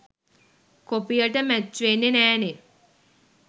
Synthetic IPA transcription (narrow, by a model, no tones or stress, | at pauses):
kopijəʈəmæt͡ʃːʋenːenæːne